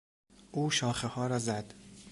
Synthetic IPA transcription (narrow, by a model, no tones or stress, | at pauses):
ʔuːʃɒːxehɒːɾɒːzæd̪̥